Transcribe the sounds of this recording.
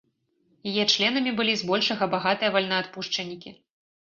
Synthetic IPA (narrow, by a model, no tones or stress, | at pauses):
jajɛt͡ʂlʲɛnɐmʲibɨlʲizbɔlʲʂɐɣɐbaɣat̪ɨjɐvalʲnɐat̪puʂt͡ʂɐnʲːikʲi